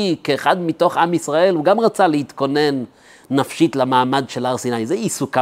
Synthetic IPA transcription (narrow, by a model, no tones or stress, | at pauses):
ikeːχad̪mito̞χamisʁae̞luɡamʁat͡salehit̪ko̞ne̞nː | afʃitlamaːmad̪ʃe̞laʁsinajzeisuka